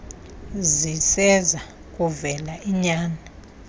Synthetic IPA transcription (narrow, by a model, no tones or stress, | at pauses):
zisɛza | k̬ʼuvɛlaʔiɲaːna